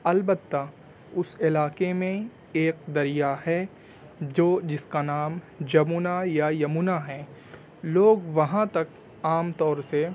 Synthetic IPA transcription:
ɐlbət̪ːa | ʊsɪlaːkemẽ | eːk̚d̪ɐɾijaɦɛ | d͡ʒoːd͡ʒɪskanaːm | d͡ʒɐmunajajɐmuːnaɦɛ̃ː | loːɡʋɐɦãt̪ɐk | aːmt̪ɔːɾse

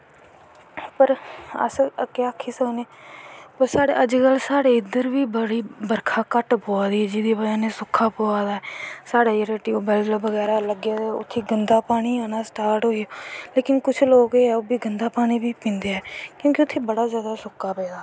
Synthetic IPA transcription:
pəɾə̰skeəkʰːiːsəkneːpəɾsaːɽḛːʔəd͡ʒkəlsaːɽeːɪd̪əɾʋiːbəɽiːbəɾkʰaːkəʈpoːaːd̪iːɛːd͡ʒɪd̪iːpəd͡ʒaːneːsʊkʰːaːpoːaːd̪aːɛːsaːɽaːjeɾeːʈiːobɛːlləbəɡɛːɾaːləɡjaːʊ̰t̪ʰːeːɡənd̪aːpaːɽ̃iːaːnaːsʈaːɾʈɦoːijoːleːkɪnkʊt͡ʃʰloːkeɛːoːbiːɡənd̪aːpaːɽ̃iːbiːpĩːnd̪eːɛːkjõːkɪʊt̪ʰːeːbəɽaːzjaːd̪aːsʊkʰːaːpeːd̪aː

